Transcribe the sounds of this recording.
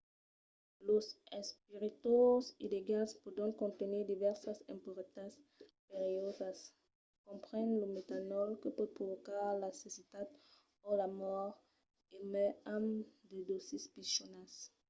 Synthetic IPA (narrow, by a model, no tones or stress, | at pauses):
losɛ̃spiʁit̪osileɡalspod̪ɔ̃ŋkɔ̃nt̪eniʁd̪ivɛʁsasẽmpuʁit̪aspeʁiɔzas | kɔ̃mpʁɛ̃nlumet̪anɔlkəpɔd̪̚pʁovokaʁlasesit̪ad̪ | olamɔʁ | emɛãmd̪ed̪osispisonas